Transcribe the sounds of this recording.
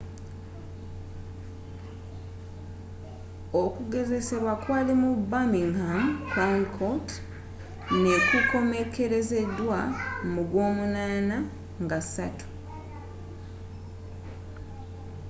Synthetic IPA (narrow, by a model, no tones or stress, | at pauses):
okuɡe̞ze̞se̞βwakwaːlimubamiŋhamkaŋkʰot | ne̞kuko̞me̞ke̞ɾe̞ze̞dːwamuɡwo̞ːmunaːna | ŋɡasatu̥